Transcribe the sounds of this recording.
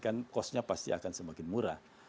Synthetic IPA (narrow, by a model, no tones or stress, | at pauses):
kankɔsɲapast̪ḭakansəmakɪnmuɾa̰h